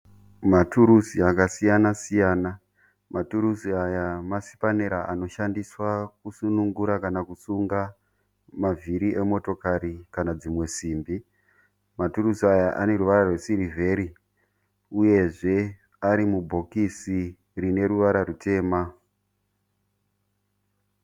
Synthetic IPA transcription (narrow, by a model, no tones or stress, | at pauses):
matuɾusiakasijanasijaːna | matuɾusiajamasi̥paneɾaʔano̞ʃandiswakusunuŋɡuɾakanakusuŋɡa | maviɾiʔe̞mo̞to̞kaɾikanad͡zimwe̞siːmbi | matuɾuziajaʔa̰ne̞ɾuʋaɾarwe̞siɾivʱe̞ɾi | uje̞ʐe̞ | aɾimubʱo̞kisi | rine̞ɾuʋaɾaɾute̞ːma